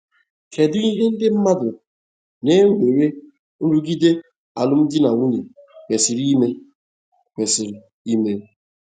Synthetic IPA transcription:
kʰe˨dʊ˦i˦ɦe˦n̩˦dɪ˦m̩˦ma˦dʊ˨ | ne˦ŋ̩˦ɡ͡be˨ɾe˦ | n̩˦ɾu˦ɡi˦de˦ | a̰˨lʊ˦m̩˦dɪ˦na˨ŋʷu˦ni˨kʷe˨si˨ɾi˦me˦ | kʷe˨si˨ɾi˨ | i˦me˦

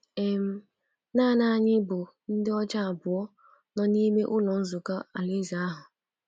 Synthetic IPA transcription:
e˨m̩˦ | naː˦˨na˦˨ɲɪ˦bʊ˨ | n̩˦dɪ˦ɔ˦d͡ʒa˦a˨bʊ˨ɔ˦ | nɔ˦ni˦me˦ʔʊ˦lɔ˨n̩˦zʊ˨ka˦a˨lɪ˦za˨a˦ɦʊ˨

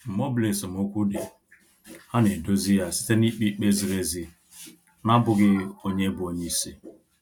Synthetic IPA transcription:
m̩˨mɔ˦ble˨si˨m˨ʊ˦kʷu˦de˨ | ha˦ne˨do˦zi˦ja˨si̥˦te˦ni˦k͡pi˦k͡pe˦zi˨ɾe˦zi˨ | na˦bʊ˨ɡɪ˦o˦ɲe˦bʊ˨o˦ɲe˦i˦si˦

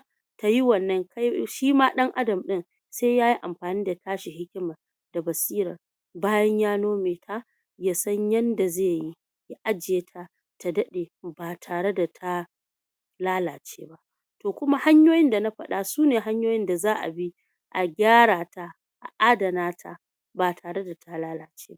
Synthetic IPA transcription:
ta˨ji˦wɐ˨nːɐ˦ŋkʰa˦jʃiː˦maː˦ɗɐ˦ŋʔa˦dɐ˨mɗɪ˦n | sa˦jjaː˦ji˦ʔa˨mɸaː˨niː˦da˨taː˦ʃi˨ɦɪ˦kʲɪ˦ma˨ | da˨bɐ˨siː˦ɾɐ̰˨r | baː˦jɐ˦ɲjaː˦noː˦meː˨tʰa˦ | jaː˦sɐ˦ɲjɐ˦nda˨zeː˦˨ji˦ | ja˦ʔa˦d͡ʒeː˨tʰa˦ | ta˨dɐ˦ɗeː˨baː˨tʰaː˨ɽe˦da˨tʰa˦ | laː˦laː˨t͡ʃeː˦ba˦ʔ | toː˨kʷʊ˦ma˦ha˦ɲjoː˦jɪ˦nda˨na˦ɸɐ˨ɗa˦suː˦neː˨ɦa˦ɲjoː˦jɪ˦nda˨zaː˦ʔa̰˨bi˦ | ʔa˨ɡʲaː˦ɽaː˨ta˦ | ʔa̰˨ʔa˦dɐ˨naː˦tʰa̰˦ | baː˨tʰaː˨ɽe˦da˨tʰa˦laː˦laː˨t͡ʃe̥ː˦ba˦ʔ

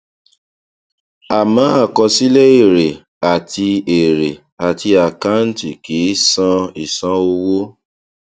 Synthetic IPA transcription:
a˨mãː˨˦a˦˨kɔ˧si˦lɛ˦i˦˨ɾe˨ | a˨tʰi˧e˨ɾe˨ | a˨ti˧a˨ka˦n̩˦ti˨ki˨˦sã˧i˨sã˦o˧wo˦

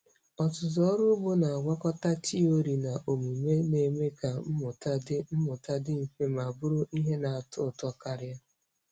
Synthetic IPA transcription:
ɔ˨tʊ˨zɔ˦ɾʊ˦bʊ˦na˨a˨ɡʷa˦kɔ˦ta˦t͡ʃi˦o˦ɾi˨na˨ʔo˨mu˨me˦ne˨me˦ka˨m̩˦mʊ˨ta˦dɪ˦m̩˦mʊ˨ta˦dɪ˦m̩˨fe˦ma˨bʊ˦ɾʊ˦ʔi˦ɦe˦na˨a˨tʊ˦˨tɔ˦˨ka˦˨ɾja˦

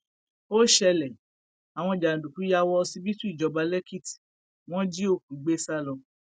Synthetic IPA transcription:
o˦ʃɛ˧lɛ˨ | a˨w̃ɔ̃˧d͡ʒa˨n̩˨du˨ku˨˦ja˧wɔ˧si˧˦bi˦tu˦i˦˨d͡ʒɔ˨˧ba˧lɛ˦ki˦˨ti̥˨ | w̃ɔ̃˦d͡ʒi˦o˦˨kũ˨ɡ͡be˦sa˦lɔ˧

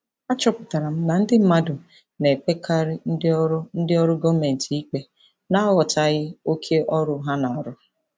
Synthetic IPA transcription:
a˦t͡ʃɔ˦pʊ˨ta˨ɾa˨m̩˦na˨n̩˦dɪ˦m̩˦ma˦dʊ˨ | ne˨k͡pe˦kʰa˦ɾɪ˦n̩˦dɾn̩˦dɪ˦ɔ˦ɾʊ˦ɡɔ˦me˨n̩˨ti˨i˦k͡pe˦ | na˦wɔ˨ta˨ɣɪ˦o˦kʰe˦ʔɔ˦ɾʊ˦ɦa˦na˨ɔ˨ɾʊ˦

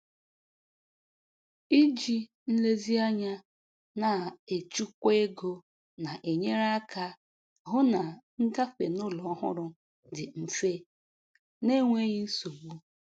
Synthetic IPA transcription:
i˦d͡ʒi˦ | n̩˦le˦zi˦a˦ɲa˦ | na˨e˨t͡ʃu˦kʷe˦ɡo˦ | na˨ʔe˨ɲe˦ɾa˦ka˦ | ɦʊ˦na˨ŋ̩˦ɡa˦fḛ˨nʊ˦lɔ˨ɔ˦ɦʊ̰˦ɾʊ˦ | dɪ˨m̩˨fe˦ | ne˦ŋʷe˦ɣi˦n̩˦so˨ɡ͡bu˦

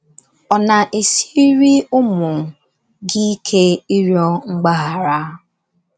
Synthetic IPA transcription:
ɔ˨na˨ʔe˨si˦ɾi˦ʊ˦mʊ˨ | ɡɪ˦kʰe˦i˦ɾjɔ˦ŋ͡m̩˦ɡ͡ba˦ɦa˨ɾa˦

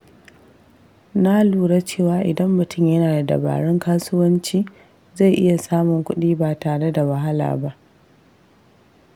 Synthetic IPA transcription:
na˦luː˨ɽa˦t͡ʃeː˦˨waː˨ʔɪ˨dɐ˦mːʊ˨tʊ˦˨mjɐ˦naː˨da˨dɐ̰˨ba̰ː˨ɽɪ˦ŋkaː˦sʊ˦wɐ˦nt͡ʃiː˦ | za˦˨jʔɪ˦ja˨saː˦mʊ˨ŋkʷʊ˦ɗiː˦baː˨taː˨ɽe˦da˨wɐ˨ɦa˦la̰ː˨ba˦ʔ

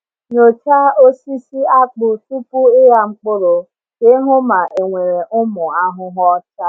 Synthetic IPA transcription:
ɲo˨t͡ʃa˦o˦si˦si˦a˦k͡pʊ˦tu˦pʊ˦ɪ˦ɦa˦ŋ͡m̩˦k͡po˦ɾo˨ | ke˦ɦʊ˦ma˨ʔe˨ŋʷe˨ɾe˨ʔʊ˦mʊ˨a˦ɦʊ˦ɦɔ˦t͡ʃa˦

